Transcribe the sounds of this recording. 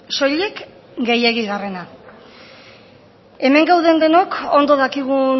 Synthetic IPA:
so̞ʎe̞k | ɡejeɣiɣare̞na | e̞me̞ŋɡawðe̞nd̪e̞no̞ko̞nd̪o̞ðakiɣ̞u

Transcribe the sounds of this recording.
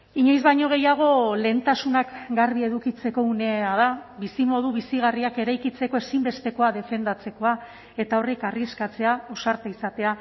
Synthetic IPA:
iɲo̞jzβajɲo̞ɣe̞jaɣ̞o̞le̞nt̪asunakɡaɾβie̞ðukit͡se̞ko̞une̞að̞aβisimo̞ðuβisiɣ̞ariake̞ɾajkit͡se̞ko̞e̞simbe̞st̪e̞ko̞aðe̞fe̞nd̪at͡se̞ko̞a | e̞t̪ao̞rikariskat͡se̞ao̞saɾt̪aisat̪e̞a

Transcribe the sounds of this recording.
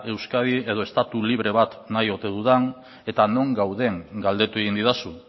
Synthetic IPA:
e̞wskaðie̞ð̞o̞e̞st̪at̪uliβ̞ɾe̞βat̪najo̞t̪e̞ðuðan | e̞t̪ano̞ŋɡawðe̞ŋɡald̪e̞t̪ue̞ɣind̪iðasun

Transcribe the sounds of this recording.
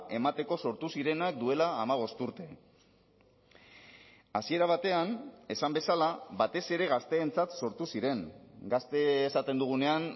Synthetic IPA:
e̞mat̪e̞ko̞so̞ɾt̪usiɾe̞nak̚d̪ue̞laːmaβ̞o̞st̪uɾt̪e̞ | asie̞ɾaβ̞at̪e̞ane̞sambe̞salabat̪e̞se̞ɾe̞ɣ̞ast̪e̞ːnt͡sat̪so̞ɾt̪usiɾe̞ŋɡast̪e̞ːsat̪end̪uɣ̞une̞an

